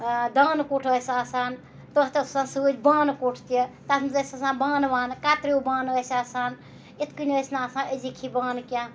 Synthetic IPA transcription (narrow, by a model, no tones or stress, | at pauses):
d̪aːnkuʈʰəsaːsaːn | t̪ət̪ɐssãːsɨd͡ʒbaːnkoʈʰt̪ijət̪at̪ʰmzɐsʲɐsãːbaːnbaːnkaːt̪ɾiubãːnəsaːsaːn | it̪ʰkɨnʲəsnaaːsãəzikʰibaːnkʲjã